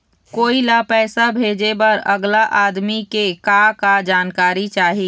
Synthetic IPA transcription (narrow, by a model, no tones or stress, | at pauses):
koːilapɛːsabʱeːd͡ʒebɐɾəɡlaʔaːd̪mikekakad͡ʒaːnkaːɾit͡ʃaːɦiː